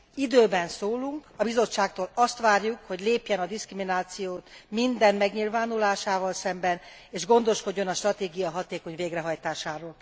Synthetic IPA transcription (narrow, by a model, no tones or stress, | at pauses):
id̪øːbɛnsoːluŋkɒbizo̞t͡ʃːaːk̚t̪oːlɒst̪ʋaːrjukho̞ɟleːpjɛnɒd̪iskriminaːt̪sijoːt̪mind̪ɛnmɛɡɲilvaːnulaːʃaːvɒlsɛmbɛn | eːʒɡo̞nd̪o̞ʃko̞ɟːo̞nɒʃt̪rɒt̪eːɡijɒɦɒt̪eːko̞ɲveːɡrɛɦɒjt̪aːʃaːɾoːl